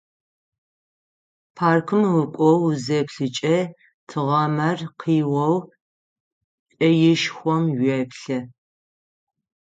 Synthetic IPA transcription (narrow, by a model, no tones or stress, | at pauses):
pʰaːrkʰɨmwʊkʷʼɔwzɐpɬɨt͡ʃʼɐ | tʰɨʁɐmɐrqʰiːwɐw | t͡ʃʼɐjɪʃxʷɔmɥɛpɬɐ